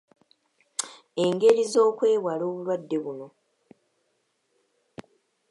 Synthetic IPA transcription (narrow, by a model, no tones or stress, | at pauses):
e̞ŋɡe̞ɾizo̞ːkwe̞ːwalo̞ːβulwadːe̞βuno̞